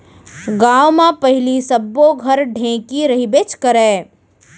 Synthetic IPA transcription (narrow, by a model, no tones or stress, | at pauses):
ɡaːʋmãpɐɦɪlisəbːoɡʱɐɾɖʱẽːkiɾɐɦibet͡ʃkəɾɛ̃ː